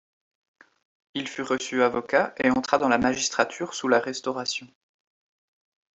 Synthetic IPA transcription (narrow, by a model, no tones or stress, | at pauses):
ilfyʁəsyavɔkaʔeɑ̃t̪χad̪ɑ̃lamaʒist̪χat̪ʰyʁsulaʁɛst̪ɔʁasjɔ̃